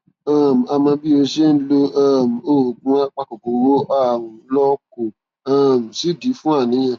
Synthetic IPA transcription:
ã˦˨m˨a˧mã˧bi˦o˧ʃe˦n̩˦lo˦a˦˨m̩˨o˦˨ɡ͡bũ˨˦a˦k͡pa˧ko˨ko˨wo˦a˦˨ũ˨˦lɔ˦ko˨ | ã˦˨m̩˨si˦˨di˨˦fũ˦a˦˨nĩ˨˦j̃ã˧˨

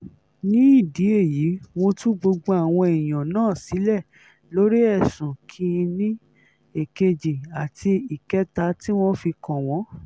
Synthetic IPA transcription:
nĩ˦i˦˨di˨˦e˦˨ji˨˦w̃õ˧tũ˦ɡ͡bo˧ɡ͡bo˧˦a˦˨w̃ɔ̃˧i˨j̃ã˨nãː˦˨si˨˦lɛ˦˨ | lo˨˦ɾi˦ɛ˦˨sũ˨kʰi˧˦˧nĩ˦ | e˨ke˧d͡ʒi˨a˨tʰi˧i˨kɛ˨˦ta˧ti˦w̃ɔ̃˦fi˧kɔ̃˨w̃ɔ̃˨˦

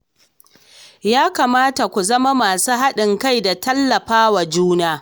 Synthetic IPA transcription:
jaː˦kaː˨maː˦ta˨kʷu˨zɐ˦ma˦maː˨suː˦ɦa˦ɗɪ˨ŋka˦jda˨tɐ˦lːɐ˨ɸaː˦wa˨d͡ʒuː˦naː˦

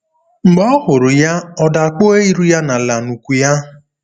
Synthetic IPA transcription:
ŋ͡m̩˨ɡ͡bɔ˦hʊ˨ɾʊ˨ja˦ɔ˦da˨k͡po˦e˦i˦ɾu˦ja˦na˨la˨nu˨kʷu˨ja˦

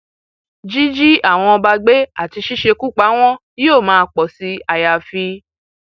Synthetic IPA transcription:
d͡ʒi˦d͡ʒi˦a˦˨w̃ɔ̃˧ɔ˧ba˧ɡ͡be˦a˦˨ti˧ʃi˦ʃe˧ku˦k͡pa˨˦w̃ɔ̃˦ | jo˦˨mãː˦˧k͡pɔ˨si˨˦a˧ja˨fi˧

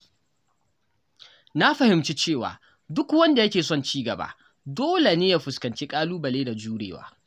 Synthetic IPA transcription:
na˦ɸɐ˨hɪ˨mt͡ʃi˦t͡ʃeː˦˨wa̰ː˨ | dʊ˦kwɐ˦nda˨jɐ˦kʲeː˨sɔ˦˨nt͡ʃiː˦ɡɐ˨ba̰ː˦ | doː˦le˨neː˦ja˦ɸʊ˨skɐ˨nt͡ʃe˦kʼaː˦luː˦bɐ˨leː˦da˨d͡ʒuː˦ɽḛː˨wa̰ː˦

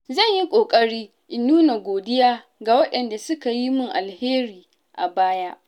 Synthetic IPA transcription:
zɐ˦˨ɲji˦kʷʼoː˨kʼɐ˦ɽiː˦ | ʔɪ˨nːuː˦na˨ɡʷoː˨dɪ˦jaː˦ | ɡa˨wɐ˦ɗɛ˨nda˨sʊ˦ka˨ji˦mʊ˦ŋʔa˨lheː˦ɾiː˨ | ʔa˨baː˦ja˦ʔ

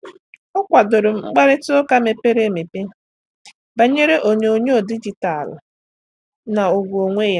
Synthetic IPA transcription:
ʊ˦kʷa˨dʊ˨ɾʊ˨m̩˦ŋ͡m̩˦ɡ͡ba˦ɾɪ˦tʊ˦ka˦me˨pe˦ɾe˦˨me˨pe˦ | ba˨ɲe˦ɾe˦ʔo˨ɲe˨o˨ɲe˦o˨di˦d͡ʒi˨ta˨lʊ̰˨ | na˨o˨ɡʷo˨ŋʷe˦ja˦

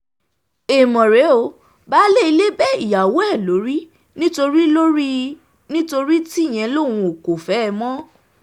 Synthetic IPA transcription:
e˨mɔ̃˨ɾe˨˦o˨˦ | ba˨˦le˦i˧le˦bɛ˦i˦˨ja˨wo˨˦ɛ˦˨lo˨˦ɾi˦ | nĩ˦to˧ɾi˦lo˦ɾi˦ | nĩ˦to˧ɾi˦ti˦˨j̃ɛ̃˧˦lo˦˨w̃ũ˧o˨ko˨fɛ˨˦˨mɔ̃˦

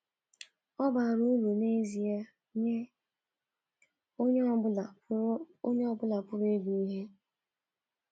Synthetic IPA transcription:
ɔ˦ba˨ɾu˦lu˨ne˦zi˨a˦ | ɲe˦ | o˦ɲ˦˨ | o˦ɲe˦ɔ˦bʊ˦la˨pʊ˦ɾi˦ɡu˨i˦ɦe˦

